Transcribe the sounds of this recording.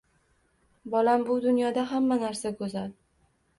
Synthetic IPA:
bɒlambʊd̪ʊnjɒd̪aɦamːanaɾsakʰɵzal

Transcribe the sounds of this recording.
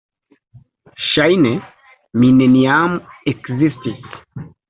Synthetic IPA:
ʃajnɛ | mineniamuɛkzisti

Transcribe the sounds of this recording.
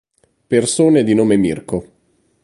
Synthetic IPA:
persoːned̪inoːmemirko

